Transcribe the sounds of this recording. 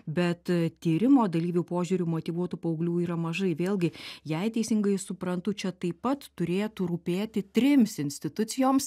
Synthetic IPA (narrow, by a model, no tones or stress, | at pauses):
bʲɛt̪t̪ʲiːɾʲɪmoːd̪ɐlʲiːʋʲɛʊpoːʒʲuːɾʲumoːt̪ʲiːʋuɔt̪uːpɐʊɡlʲuːiːɾɐmɐʒɐɪʋʲeːlˠʲɡʲɪjɛɪt̪ʲɛɪsʲɪŋɡɐɪsʊpɾɐnt̪ʊt͡ʃʲɛt̪ɐɪpɐt̪ːʊɾʲeːt̪uːɾuːpʲeːt̪ʲɪt̪ʲɾʲɪmʲsɪnʲsʲt̪ʲɪt̪ʊt̪t͡s̪ʲɪjoːms